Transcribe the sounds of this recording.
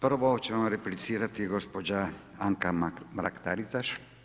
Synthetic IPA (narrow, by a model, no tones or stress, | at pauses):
pr̩ʋot͡ɕemoɾeplit̪siːɾat̪iɡospod͡ʑa | aŋkabɾa̰kt̪aɾisaʃ